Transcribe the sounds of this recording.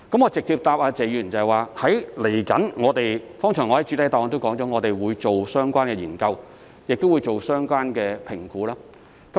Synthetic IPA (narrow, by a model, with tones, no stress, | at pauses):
kɐ˨˥mŋɔː˨˧t͡sɪ˨k̚t͡siː˧p̚t̪aː˧p̚aː˧t͡sɛː˨˧jy˨˩nt͡sɐ˨ɐ˨jwaː˨˧hɐ˨˥jle˨˩jkɐ˨˥nŋɔː˨˧t̪e˨jfɔː˥ŋt͡sʰœː˨˩ŋɔː˨˧hɐ˨˦jt͡ʃyː˨˧t̪ɐ˨˥jt̪ɔː˨˥ŋt̪o˥wkɔː˨˥ŋt͡sɔː˨˥ŋɔː˨˧t̪e˨jwuː˨˧jt͡so˨wsœː˥ŋkʷaː˥nkɛː˧jiː˨˩nkɐ˧w | jɪ˨k̚t̪o˥wuː˨˧jt͡so˨wsœː˥ŋkʷaː˥nkɛː˧pʰɪ˨˩ŋkuː˨˥laː˥ | kɐ˨˦